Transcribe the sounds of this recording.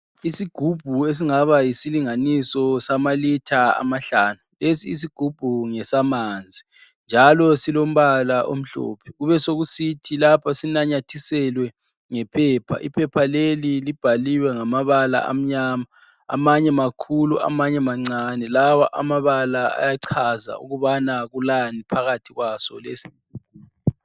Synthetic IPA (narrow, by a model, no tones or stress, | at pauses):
isiɡ̥ʱub̥ʱues̬iŋaβajisiliŋanisɔsamalitʰaa̰maɬaːnulesiːs̬iɡ̥ʱub̥ʱuŋɛsamand͡zʱi | nd͡ʒʱalɔsilom̩βalaʔo̰m̩ɬɔ̰ːpʰɛ̥ɣuβɛsoɣusitʰilapʰasinaɲatʰisɛlwɛ | ŋɛpʰɛːpʰa̰ʔḭpʰɛpʰalelilib̥ʱaliwɛŋamaβala̰ʔa̰m̩ɲaːma̰ː | maɲɛmakʰuluʔa̰maɲɛmaŋ͡ǀanɛlawaʔa̰maβalaa̰jaǀʰaza̰ṵɣuβanaɣulanipʰaɣatʰiɣwasɔ̰lesi̥